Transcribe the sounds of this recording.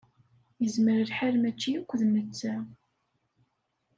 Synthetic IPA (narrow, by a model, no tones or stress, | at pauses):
jəzməɾəlħalmæt͡ʃːijukʷːðmət͡sːæ